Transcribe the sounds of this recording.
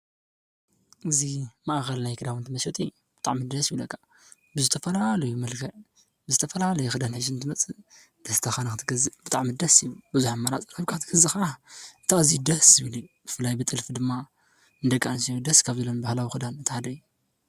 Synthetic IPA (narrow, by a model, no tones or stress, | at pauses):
ʔɨzimaʔxɐlnajkʰɨd̪awɨnt̪ʰɨmɐsɐt̪ʼi | b̥ɨt̪ʼaʕmid̪ɐsjiβlɐkʰːḁ | bɨzɨt̪ʰɐfɐlalɐjumɐlkʰɐʕ | bɨzɨt̪ʰɐfɐlalɐjuxɨd̪anħɨʃ̬ɨnt̪ʰɨmɐt͡sʼɨ | d̪̥ɐst̪ʰɐxanɐxɨt̪ʰɨɡɐzɨb̥ɨt̪ʼaʕmid̪ɐsjibɨzuħamːaɾat͡sʼɨɾɐβkʰaɨt̪ʰɨɡ̥ɐzɨxaʔant̪ʰaɨzid̪ɐszɨβlib̥ɨfɨlːajbɨt̪ʼɨlfd̪ɨmːa | ɨnd̪ɐkʼːansijud̪ɐskʰaβzɐlːonbahlawixɨd̪anɨt̪ʰːħad̪ɐjːu